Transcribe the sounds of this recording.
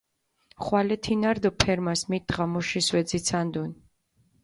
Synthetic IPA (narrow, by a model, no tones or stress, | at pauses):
χwalɛt̪ʰinaɾd̪ɔpʰɛɾmasmit̪̚d̪ʁamuʃiswɛd̪zit̪sʰand̪un